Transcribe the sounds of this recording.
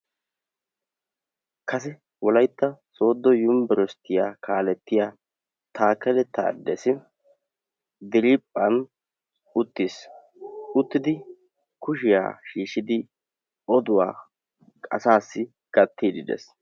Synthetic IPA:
kɐs̬ɛ | wɔlɐjt̪ːɐso̞ːd̪ːɔjʊmbɛɾɔst̪ʰːɪjaːkaːlɛt̪ːɪjaː | t̪ʰaːkɛlɛt̪ːa̰ːd̪ːɛsɪ | d̪ɪɾɪpʼːɐn | ʊt̪ːis | ʊt̪ːɪd̪ɪ | kʊʃ̬ɪja̰ːʃiːʃɪd̪ɪ | ɔd̪ʊwa̰ː | kʼɐ̰saːsːɪ | ɡ̥ɐt̪ːiːd̪ɪd̪ɛ̰s

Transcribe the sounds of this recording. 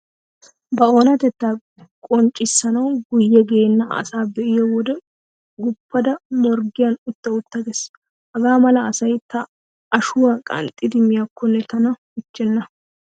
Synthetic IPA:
bɐoːnɐt̪ɛt̪ːaː | kʼɔnt͡ʃʼːɪsːɐnɐwɡʊjːɛɡe̞ːnːɐɐ̰saːbɛʔɪjɔwɔd̪ɛ | ɡʊpːɐd̪ɐmɔɾɡɪjɐnʊt̪ːɐʊt̪ːɐɡɛs | hɐɡaːmɐlɐːsɐjt̪ːɐ | ɐʃʊwaːkʼɐ̰nt̪ʼːɪd̪ɪmːɪjakʰːɔnːɛt̪ɐnɐ | ʊt͡ʃːɛnːɐ

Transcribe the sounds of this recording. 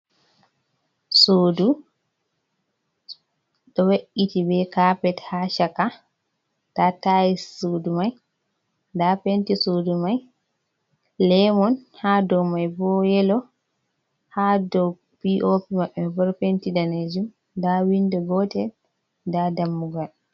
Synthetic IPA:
soːdu | ɗɔweʔitibɛkapɛthaʃaka | tatajisodumaj | dapentisodumaj | lɛmɔnhadɔwmajbɔjɛlɔ | hadɔw | piʔopimaɓːɛbɔɾpentidaned͡ʒum | dawindɔɡɔtɛ | dadamːuɡal

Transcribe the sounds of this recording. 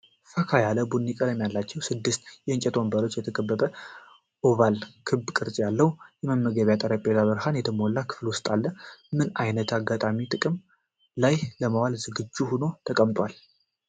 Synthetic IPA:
fəkʰajaləbunːikʼəd̪əmjalːat͡ʃːɛwsɨd̪ːɨst̪jɛɨnt͡ʃʼɛt̪ʰo̞mbəɾo̞t͡ʃːjɛt̪ʰəkʼəbːəbə | ʔoβalkʰɨbkʼɨɾt͡ʃʼjalːəhwjɛməmːəɡəβjat̪ʼəɾəpʼelaβɨɾhanjɛt̪ʰəmolːakʰɨ̥flwʊst̪ʼalːəmɨnajnət̪ʰaɡːat̪ʼamit̪ʼɨkʼɨm | lajləmawalzɨɡɨd͡ʒːuhuno̞t̪ʰəkʼəmt̪ʼwal

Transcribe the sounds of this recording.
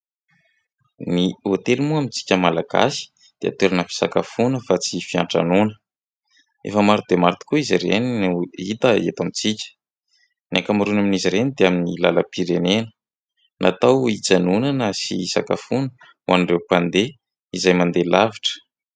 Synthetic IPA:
niot̪elimuamit͡si̥kʲəmalaɡa̰si̥ | d̪̥ea̰t̪eɾanəfi̥sa̰kafunəfat͡sifia̰ɳʈ͡ʂa̰nunə̥ | ḛfəmaɾud̪emaɾt̪i̥kuiziɾeninit̪əḛt̪amit͡sikʲə̥ | nakamaɾunaminiziɾenid̪eaminilaləpiɾenenə̥ | nat̪awit͡sanunanəsisaka̰funə | uwanɳrewpand̪e | izajmand̪elaviʈ͡ʂə̥

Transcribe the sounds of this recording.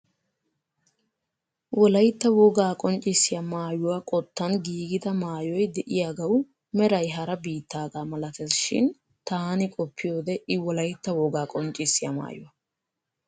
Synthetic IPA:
wɔlɐjt̪ːɐwɔɡaːkʼɔnt͡ʃʼːɪsːɪjɐmaːjʊwɐkʼɔt̪ːɐnɡiːɡɪd̪ɐmaːjɔjd̪ɛʔɪjaːɡɐw | mɛɾɐjɦɐɾɐbiːt̪ːaːɡaːmɐlɐt̪ɛsʃɪ̰n | t̪aːnɪkʼɔpʰːɪjo̞ːd̪ɛʔɪwɔlɐjt̪ːɐwɔɡaːkʼɔnt͡ʃʼɪsːɪjɐ̰ma̰ːjʊwɐ

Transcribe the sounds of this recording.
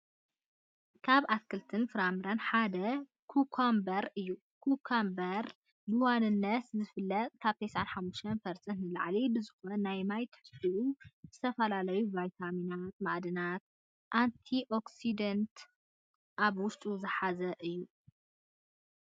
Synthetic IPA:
kʰaβat̪kʰɨlt̪ʰɨnfɨɾamɾanħad̪ɐ | kʰukʰambɐɾɨjːu | kʰukʰambɐɾ | bɨwanɨnːɐt̪zɨfɨlːɐt̪ʼkʰaβt̪ʰɐjsʕa̰nħamːuʃt̪ʰɐnfɐɾsʼɐnnɨlʕlibɨzɨxonːajmajt̪ʰħɨ̥siʔuzɨt̪ʰɐfɐlalɐjuvajt̪ʰaminat̪̚maʔd̪ɨnat̪̚ | ʔant̪ʰiʔo̞ksid̪ɐnt̪ | ʔaβwʊʃt̪ʼuzɨħazɐʔɨjːu

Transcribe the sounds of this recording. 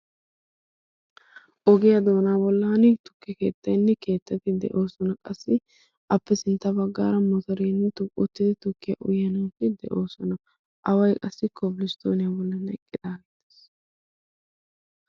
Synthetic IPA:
ʔɔɡɪjɐd̪o̞ːnaːbɔlːɐnɪt̪ʊ̥kːɪke̞̰ːt̪ːɐjnːɛke̞ːt̪ːɐt̪ɪd̪ɛ̰ʔo̞ːsɔnɐkʼɐsːɪ | ʔɐpːɛsɪnt̪ːɐbɐɡːa̰ːɾɐmɔt̪ɐɾenːɛt̪ʊʊt̪ːɪd̪ɪt̪ʊkːɪjɐ̰ʔʊjːɐnɐwkːɪd̪ɛ̰ʔo̞ːsɔnɐ | ʔɐwɐjkʼɐsːɪkʰːɔbɪlɪst̪ʰo̞̰ːnɪjabɔlːɐnɛ̰kʼːɪd̪̥aːɡɛt̪ːe̥s

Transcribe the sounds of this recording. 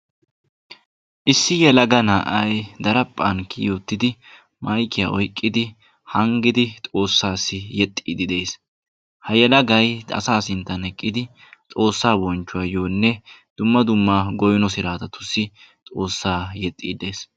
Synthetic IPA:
ʔɪsːɪjɛlɐɡɐnaːʔɐjd̪ɐɾɐpʼːɐnkːɪjo̞ːt̪ːɪd̪ɪ | mɐjkːɪja̰ʔɔjkʼːɪd̪ɪ | hɐŋɡɪd̪ɪt̪ʼo̞ːsːaːsːɪjɛt̪ʼːiːd̪ɪd̪e̞ːs | hɐjɛlɐɡɐjɐ̰saːsɪnt̪ːɐnɛkʼːɪd̪ɪ | t̪ʼo̞ːsːaːbɔnt͡ʃːʊwɐːjo̞ːnːɛd̪̥ʊmːɐd̪ʊmːaːɡɔjnɔsɪɾaːt̪ɐt̪ʊ̥sːɪt̪ʼo̞ːsːaːjɛt̪ʼːḭːd̪e̞ːs

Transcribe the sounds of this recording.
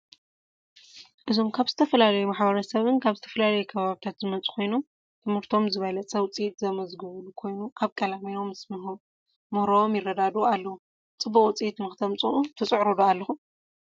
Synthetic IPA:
ʔɨzo̞mkʰaβzɨt̪ʰɐfɐlalɐjumaħbɐɾɐsɐβɨnkʰaβzɨt̪ʰɐ̥fɐlalɐjukʰɐβaβit̪ʰat̪zɨmɐt͡sʼu̥kʰo̞jnom | t̪ʰɨmhɨɾt̪ʰo̞mzɨβɐlɐt͡sʼɐwt͡sʼijt̪zɐmɐzɡɨβlukʰo̞jnuʔaβkʼɐlamino̞msmɨɦu | mɨhɾoomjɪrːɐd̪ad̪ualːɐwu | t͡sʼɨbːɐkʼut͡sʼijit̪mɨxɨt̪ʰɐmt͡sʼuʔut̪ʰɐt͡sʼɨʕɾud̪oalːɐxu

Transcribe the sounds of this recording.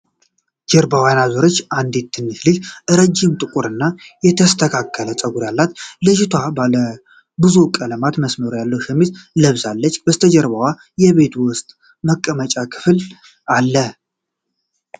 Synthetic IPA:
d͡ʒəɾbawanazoɾot͡ʃːand̪et̪ʰːɨnːɨslɨd͡ʒʔɨɾəd͡ʒːɪmt̪ʼɨkʼuɾɨnːajɛt̪ʰəst̪ʰəkʰakʰːələt̪ʼəɡuɾjalːat̪lɨd͡ʒɪt̪ʰwabalə | bɨzukʼələmat̪məsməɾojalːəwʃɛmːizləβsalːət͡ʃːbəst̪ʰəd͡ʒəɾβawa | jɛβe̞t̪wʊst̪ʼ | məkʼːəmət͡ʃʼakʰɨ̥fl | alːə

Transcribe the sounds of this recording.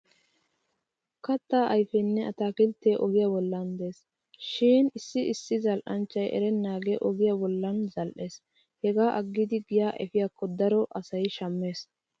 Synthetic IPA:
kɐt̪ːaːʔɐjfɛnːɛɐt̪aːkɪlt̪ːeːʔɔɡɪjabɔlːɐnd̪e̞ːs | ʃiːnɪsːɪɪsːɪzɐlʔɐnt͡ʃːɐjʔɛ̰ɾɛnːaːɡeʔɔɡɪjabɔlːɐnzɐlʔe̞ːs | hɛɡaːʔɐɡːɪd̪ɪɡɪjaːʔɛ̰fɪjakːɔd̪ɐɾɔʔɐsɐjʃɐmːe̞ːs

